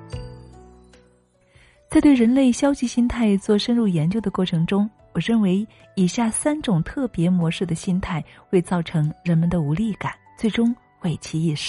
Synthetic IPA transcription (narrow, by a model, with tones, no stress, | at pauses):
t͡sa˥˧ɪt̪we˥˩ɻə˧˥nle˥˩ɪɕjɑ˥ʊɕi˧˩ɕi˥nt̪ʰa˥˧ɪt͡swɔ˥˩ʂə˥nɻu˥˩jɛ˧˥nt͡ɕjo˥ʊd̪ə˩kwɔ˥˩ʈ͡ʂʰɤ˧˥ŋʈ͡ʂʊ˥ŋ | wɔ˨˩ɻə˥˩nwe˧˥ɪ | i˨˩ɕja˥˩sa˥nʈ͡ʂʊ˨˩ŋt̪ʰɤ˥˩pjɛ˧˥mwɔ˧˥ʂɻ̩˥˩d̪ə˩ɕi˥nt̪ʰa˥˩ɪxwe˥˧ɪt͡sɑ˥˩ʊʈ͡ʂʰɤ˧˥ŋɻə˧˥nmə˧nd̪ə˧u˧˥li˥˩ka˨˩˦nt͡swe˥˩ɪʈ͡ʂʊ˥ŋ | xwe˥˩ɪt͡ɕʰi˧˥i˥˩ʂɻ̩˥˩